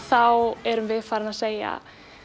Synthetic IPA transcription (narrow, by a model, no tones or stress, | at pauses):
θawɛɾʏmvɪðfaːɾanaðseːja̰